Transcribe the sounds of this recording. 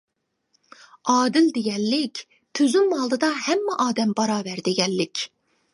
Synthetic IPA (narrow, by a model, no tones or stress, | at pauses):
ɑːd̪ɪld̪eɡʲɛnlɪkʲ | t̪ʰøzymːɑlˠd̪ɯd̪ɑhɛmːɛʔɑːd̪ɛmbɑɾɑːvæɾd̪eɡʲɛnːɪkʲ